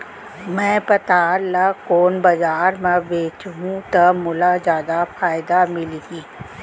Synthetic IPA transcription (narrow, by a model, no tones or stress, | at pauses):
mɛ̃ːpɐt̪aːɾlakoːnbɐd͡ʒaːɾmɛ̃beːt͡ʃɦũt̪ɐmʊlazjaːd̪afʰaːjɪd̪amɪlɡiː